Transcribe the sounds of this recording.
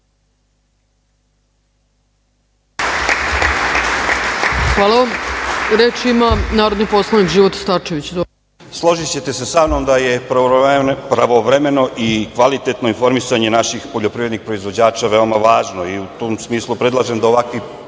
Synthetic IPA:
xʋaːlˠaʋamɾet͡ʃimanaːɾod̪nipo̞slˠanikʒiːʋot̪st̪at͡ʃeʋit͡ɕd̪o | slˠo̞ʒit͡ɕe̞t̪e̞sesamnomd̪aje̞ | pɾaʋoʋɾeme̞no̞ʔikʋalit̪et̪no̞info̞ɾmisaɲe̞naʃixpo̞ʎopɾivɾed̪nixpɾo̞izʋo̞d͡ʑaːt͡ʃaʋe̞o̞maʋaːʒno̞iut̪oːmsmiːslˠupɾe̞d̪lˠaʒemd̪aoʋakʋi

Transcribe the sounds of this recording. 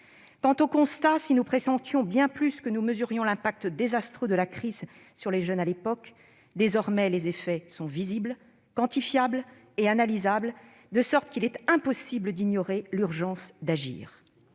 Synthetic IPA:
kɑ̃t̪okɔ̃st̪asinupχesɑ̃t̪jɔ̃bjɛ̃plyskənuməzyʁjɔ̃lɛ̃pak̚t̪d̪ezast̪χød̪əlakχiz | syʁleʒənalepɔk | d̪ezɔʁmɛlezefɛsɔ̃vizibl | kɑ̃t̪ifjabl | eanalizabl | d̪əsɔʁt̪kilɛt̪ɛ̃pɔsibləd̪iɲjɔʁelyʁʒɑ̃sd̪aʒḭːʁ

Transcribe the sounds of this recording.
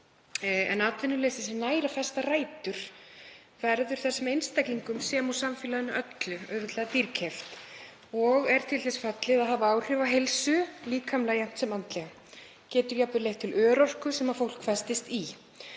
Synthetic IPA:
ɛ̰naːt̪vɪnːʏɾleːsɪsɛnaːjɾafɛst̪araːjt̪ʏɾ̥ | vɛɾðʏɾ̥θassɛmejnst̪ajkliŋkʏmsɛːmawsamfɪːlaðʏnaʔœt̪lʏœːvɪt̪lɛðat̪iɾcʰɛft̪ | ɔɣɛɾ̥t̪ʰɪlθɛsfɛt̪lɪðaðɦaːvaaːwr̥ʏvaɦejlsʏliːkʰamlaːjan̥t̪sɛmant̪lɛɣa | cɛːt̪ʏɾjapnʏɾlejht̪ʰːɪlœːɾɔr̥kʏsɛmafowl̥kʰfɛst̪ɪst̪i

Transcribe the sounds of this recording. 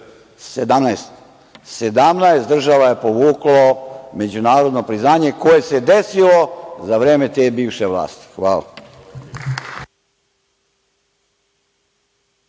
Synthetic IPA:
sed̪amnaest̪ | sed̪amnajest̪d̪r̩ʒaʋajepo̞ʋuːklo̞me̞d͡ʑunaːɾod̪no̞pɾiznaːɲe̞ko̞je̞se̞d̪e̞silo̞zaʋɾe̞ːme̞t̪ebiːʋʃe̞ʋlˠa̰ːst̪i̥xʋaːla̰

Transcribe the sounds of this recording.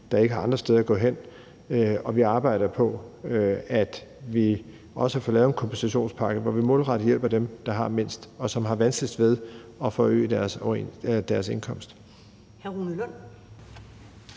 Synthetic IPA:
d̥ɑ̈e̝ɡ̥əɦɑ̈ɑ̈nd̥ʁɐsd̥eð̞ˠɐɡ̥ɔ̰̽ːɦen̰ | ɒ̽ʋiɑ̈ːb̥ɑ̈ɪ̰ɾ̥ɐpʰɒ̽ | æd̥ʋi | ʔɒ̽səhɑfɒ̰ːlɛːð̩ˠenkʰɒ̽mb̥ʰensæɕo̝̰ːnspʰɑ̈ɡ̥əʋɒʋimɔ̽ːlʁɑɾ̥ijel̰b̥ɐd̥emd̥ɑ̈ɦɑ̈me̝n̰sd̥ɒ̽sɒ̽mɦɑ̈ʋænsɡ̥lid̥ʋe̝ð̞ˠɒ̽fɒø̰ːd̥æɐsɒed̥æɐse̝nkʰɒ̽m̰sd̥ | hæʁuːnəlɔn̰

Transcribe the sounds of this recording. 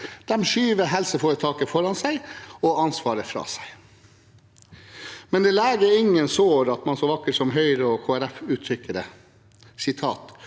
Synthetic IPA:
d̪̥ɛmʃyːʋəɦɛlsəfoːɾət̪ʰɑːkəfɔɾɑnsæɪɔɑnsʋɑːɾəfɾɑ̰ːsæɪ | mɛnd̪ɛːlæːɡəɪŋːənsoːɾɑt̪mɑnsɔʋɑkːəʈsɔmɦœʏɾəɔkʰoːæɾæfʉːt̪ʰɾʏkːəɾə | sɪt̪ʰɑːt̪

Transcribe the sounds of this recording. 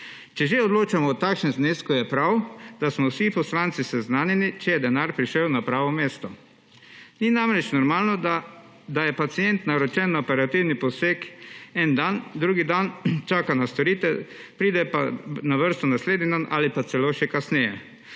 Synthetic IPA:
t͡ʃɛʒeɔd̪loːt͡ʃamɔːt̪akʃnɛnzneskujɛpɾawd̪̥asmɔwsipɔslant̪sisɛznaːnɛnit͡ʃɛjɛd̪ɛnaɾpɾiʃəwnapɾaːʋɔmeːst̪ɔ | ninamɾɛt͡ʃnɔɾmaːlnɔ | d̪ajɛpat̪sijɛnt̪naɾɔt͡ʃɛnːaɔpɛɾat̪iwnipɔseːkɛnd̪and̪ɾuːɡid̪ant͡ʃaːkanast̪ɔɾiːt̪ɛ | pɾiːd̪ɛpa̰naʋəɾst̪ɔnasleːd̪nid̪anʔa̰lipat̪sɛloːʃɛkasnɛjɛ

